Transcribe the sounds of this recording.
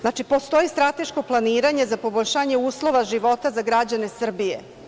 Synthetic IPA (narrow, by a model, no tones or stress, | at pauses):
zaːt͡ʃipo̞st̪o̞jist̪ɾat̪e̞ʃko̞plˠaniːɾaɲe̞zapo̞boʎʲʃaːɲeuːslˠo̞ʋaʒiʋo̞t̪azaɡɾad͡ʑane̞sr̩bijḛ